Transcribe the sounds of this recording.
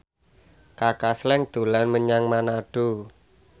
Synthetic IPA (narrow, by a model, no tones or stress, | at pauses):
kakaslɛŋd̪̥o̤lanməɲaŋmanaɖ̥o